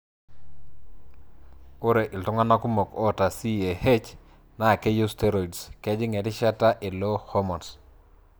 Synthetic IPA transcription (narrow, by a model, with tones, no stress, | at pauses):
ʊ˦ɾe˨ʔɪ˨ltɔ˦ŋa˦na˦ku˦mo˨kɔ˦ta˨si˦e˨he˦t͡ʃ | na˨ke˦ju˦ste˦ɾo˨i˨dskɛ˦d͡ʒɪ˦ŋɛ˨tɪ˦ʃa˦ta˦ʔɪ˨lo˦ho˦mɔ˨ns